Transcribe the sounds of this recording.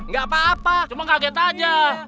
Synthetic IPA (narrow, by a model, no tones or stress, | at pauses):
ŋɡapaːpat͡ʃumaŋaɡet̪ad͡ʒa